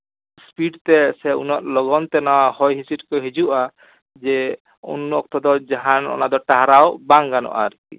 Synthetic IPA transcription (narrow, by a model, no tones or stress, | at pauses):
spiɖt̪ɛsɛṵnɔʔlɔɡɔnt̪ɛnawahɔjɦisiʈkɔɦed͡ʒuʔa | d͡ʒɛ | ṵnɔk̚t̪ɔd̪ɔd͡ʒaɦanɔ̰nad̪ɔʈaɦaɾawbaŋɡanɔ̰ʔa̰ɾkḭ